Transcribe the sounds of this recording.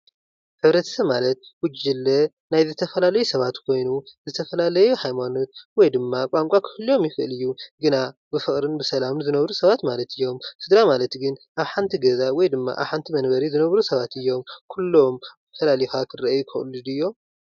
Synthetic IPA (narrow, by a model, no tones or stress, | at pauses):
ħɨβɾɐt̪ʰɐ̥sɐβmalɐt̪̚wʊd͡ʒɨlːɐ | najzɨt̪ʰɐfɐlalɐjusɐβat̪kʰo̞jnuzɨt̪ʰɐfɐlalɐjuhajmano̞t̪̚wɔjd̪ɨmːakʷʼaŋkʼakʰɨɨlːo̞mjɪfɨʔlɨjːuɡɨnabɨfɨχʼɾɨnbɨsɐlamnzɨnɐβɾusɐβat̪malɐt̪ʰɨjːo̞msɨd̪ɾamalɐt̪ɡɨnʔaβħant̪ʰiɡɐzawɔjd̪ɨmːa̰ʔa̰βħant̪ʰimɐnbɐɾizɨnɐβɾusɐβat̪ɨjːo̞mkʰulːo̞m | fɐlaljxakʰɨrɐʔɐjukʰɨ̰ʔlɨd̪ɨjːo̞m